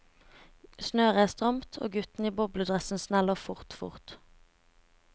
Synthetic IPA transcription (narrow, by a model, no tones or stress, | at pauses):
snøːʁəæːst̪ʁɑmt̪ʰo̰ːɡʉt̪n̩iːbɔblʉd̪ʁɛsn̩snæloːfʊʁt̪fʊ̰ʁt̪